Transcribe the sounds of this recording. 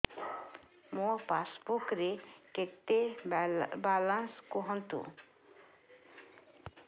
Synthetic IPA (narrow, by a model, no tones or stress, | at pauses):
mopasbukɾeket̪ːe | balanskoɦɔnt̪ṵ